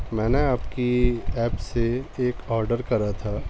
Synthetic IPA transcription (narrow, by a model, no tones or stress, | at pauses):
mɛ̃ːneaːpkiɛːpseeːkɔːɾɖəɾkɐɾat̪ʰaː